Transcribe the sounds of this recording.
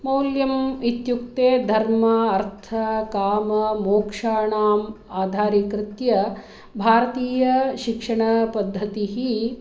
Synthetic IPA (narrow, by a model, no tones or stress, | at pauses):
mɐwljɐmit̪juk̚t̪eːd̪ʱɐɾmɐɐɾt̪ʰɐkaːmɐmoːkʂaːɳaːm | aːd̪ʱaːɾikɾɪt̪jɐ | bʱaːɾɐt̪iːjɐʃikʂɐɳɐpɐd̪ʱːɐt̪iɦi